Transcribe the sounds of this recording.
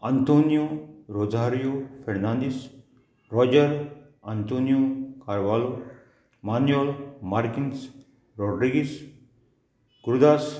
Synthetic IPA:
ant̪oːnijoɾozaːɾijopʰeɾnãnd̪is | ɾɔːd͡ʒəɾ | ant̪oːnijokaɾʋaːlo | maːnjelmaɾkins | ɾɔːɖɾiɡis | ɡ̥uɾd̪aːs

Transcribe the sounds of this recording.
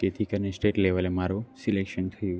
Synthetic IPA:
ket̪ʰikəɾnesʈeʈleʋəlemaɾusilekʃənt̪ʰəjũ

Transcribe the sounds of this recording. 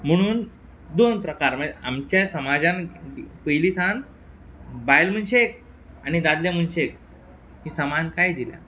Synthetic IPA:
m̤əɽ̃uːn | d̪onpɾəkaɾməa̰mt͡ɕjasəmad͡ʑãnpəjliːsãn | bajlm̤ənɕek̚ | añid̪ad̪ljam̤ənɕek̚ | ɦisəmankajd̪ilja̰

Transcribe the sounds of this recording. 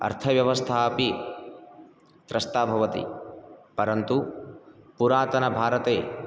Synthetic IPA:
ɐ̰ɾt̪ʰɐʋjɐʋɐst̪ʰaːpi | t̪ɾɐst̪aːbʱɐʋɐt̪ḭpɐɾɐnt̪u | puɾaːt̪ɐnɐbʱaːɾɐt̪eː

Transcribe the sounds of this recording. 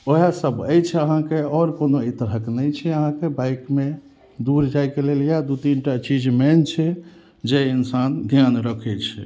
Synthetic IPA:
oɦasəbəjt͡ʃʰɛəɦãkeɔɾkonoit̪əɾɦəknəjt͡ʃʰɛəɦãkebajkme | d̪uɾd͡ʒajkeleljad̪ut̪inʈat͡ʃid͡ʒmɛnt͡ʃʰɛ | d͡ʒeinsand̪ʱjanɾəkʰɛt͡ʃʰɛ̰

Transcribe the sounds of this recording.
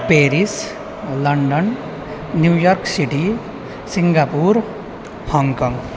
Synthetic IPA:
peɾis | lʌɳɖʌnː | jujʌrksiʈi | siŋɡapuɾ | hʌŋkʌŋ

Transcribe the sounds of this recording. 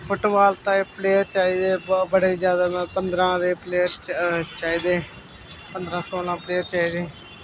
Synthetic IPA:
pʰʊʈbaːlt̪ãːeːpleːjəɾt͡ʃaːiːd̪eːbbəɽeːid͡ʒjaːd̪aːãːpənd̪ɾãːd̪eːpleːəɾt͡ʃaːiːd̪eː | pənd̪ɾãːsoːlãːpleːəɾt͡ʃaːiːd̪eː

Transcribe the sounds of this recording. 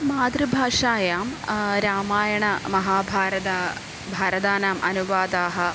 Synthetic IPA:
maːd̪ɾɨbʱaːʂaːjaːmɾaːmaːjɐɳɐmɐɦaːbʱaːɾɐd̪ɐ | bʱaːɾɐd̪aːnaːmʔɐnuʋaːd̪aːɦɐ

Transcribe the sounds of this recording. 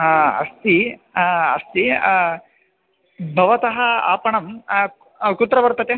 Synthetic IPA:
ɦaːɐ̰st̪i | ɐst̪i | bʱɐʋɐt̪ɐɦɐa̰ːpɐɳɐm | kut̪ɾɐʋɐɾt̪ɐt̪e

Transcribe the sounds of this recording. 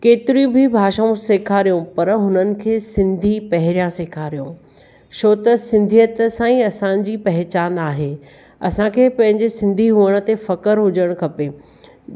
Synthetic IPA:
keːt̪ɪɾiũbʱɪbʱaːʃaõseːkʰaɾijõpɐɾɦʊnənɪ̆kʰeːsɪ̃nd̪ʱipɐɦɪɾijãseːkʰaɾijõ | ʃʰoːt̪ɐsɪ̃nd̪ʱijət̪sãːĩɐsã̆d͡ʑiːpɐɦɪt͡ɕaːnaːɦeː | ɐ̰sãkʰeːpɐ̃ɦɪ̃ɲd͡ʑesɪ̃nd̪ʱiɦuəɽ̃ʊ̆t̪efɐkəɾɦʊd͡ʑəɽ̃kʰɐpeː

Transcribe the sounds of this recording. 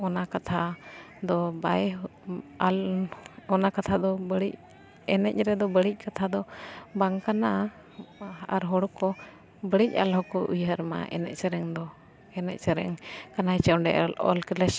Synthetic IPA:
ɔnakat̪ʰa | d̪ɔbaj | al | ɔnakat̪ʰad̪ɔbəɽic̚ | ɛnɛc̚ɾɛd̪ɔbəɽic̚ˀkat̪ʰad̪ɔbaŋkana | aɾɦɔɽɔkɔ | bəɽic̚a̰lɦɔkɔʔujɦəɾma̰ʔɛ̰nɛ̰ʔ̚səɾɛŋd̪ɔ | ɛnɛ̰c̚səɾɛ̰ŋkanajt͡ʃɛwɖɛ̰ʔa̰lɔ̰lklɛs

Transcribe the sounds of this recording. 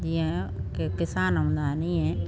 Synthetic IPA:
d͡ʒiɛ̃kekɪsaːnɦə̃nd̪aɛnĩɛ̃ː

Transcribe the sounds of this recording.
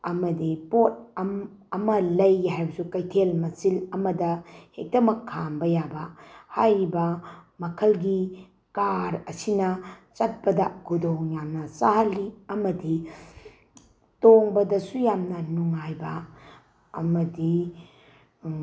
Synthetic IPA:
ɐmɐdipot̚ɐm | ɐmɐlɐjɦajbɐsukɐjtʰelmɐsilɐmɐdɐhek̚dɐmɐkʰːambɐjabɐhajɾibɐmɐkʰɐlɡi | kaɾɐsinɐt͡ʃɐt̚pɐdɐkʰudoŋjamnɐsaɦɐlːiɐmɐdi | toŋbɐdɐsujamnɐnuŋajbɐː | mɐdi

